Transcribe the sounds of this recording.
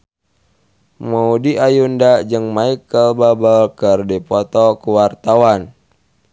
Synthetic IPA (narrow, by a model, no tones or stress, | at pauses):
maudiajundad͡ʒɨŋmaikəlbabəlkərdipɔt̪ɔkuwart̪awan